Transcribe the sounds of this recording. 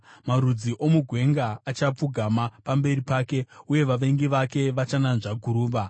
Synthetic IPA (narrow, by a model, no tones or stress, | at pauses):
maɾud͡ziʔo̞muɡʱwe̞ŋɡaːt͡ʃap͡fuɡʱamapambe̞ripaːke̞uje̞ʋaʋe̞ŋɡiʋake̞ʋat͡ʃananʐaɡʱuɾuːʋa